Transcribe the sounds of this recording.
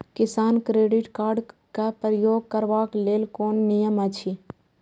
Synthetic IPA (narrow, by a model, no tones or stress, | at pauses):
kɪsaːnkɾeːɖɪʈkaːɾɖkapɾəjoːɡ̚kəɾʋaːkleːlkoːnːijəmət͡ʃʰi